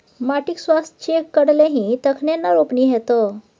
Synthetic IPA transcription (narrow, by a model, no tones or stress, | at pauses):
maʈiksʋast̪t͡ɕekːəɽleɦĩt̪əkʰnenːaɾopɳiːɦɛt̪ə